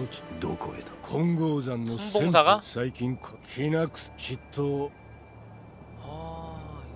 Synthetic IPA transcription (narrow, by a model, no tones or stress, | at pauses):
d̪okoet̪kʰõŋɡoːzãnːosẽaɡasaikʲĩŋkʰçʲinakst͡ɕit̪ʰːo